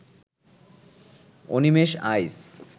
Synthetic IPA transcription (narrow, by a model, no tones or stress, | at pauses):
o̰nimeʃajs